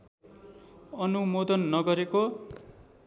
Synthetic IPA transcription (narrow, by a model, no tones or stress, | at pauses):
ʌnumod̪ʌnːʌɡʌɾeko